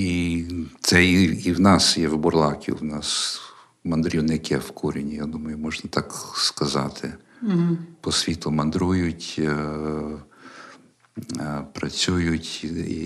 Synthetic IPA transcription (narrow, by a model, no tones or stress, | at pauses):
it̪sɛiiwnɑsjɛwbɔrlˠɑkʲḭwnɑs | mɐnd̪ɾʲiwnɪkɛwkʰuɾʲinʲijad̪umɐjʊmɔʒnɐt̪ɑkskɐzɑ̰t̪ʰɪ | pɔsʲʋʲit̪ˠʊmɐnd̪ɾujʊtʲ | pɾɐt͡sʲujʊtʲḭ